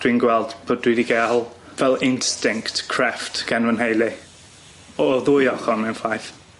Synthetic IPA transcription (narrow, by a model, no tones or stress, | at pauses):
d̥winɡwɛlˠd̥b̥odwidiɡɛlˠvɛlˠɪnstɪŋktkʰr̥ɛftɡ̥ɛnvənhejlˠi | ɔðʊjɔχɔnmɛnfajθ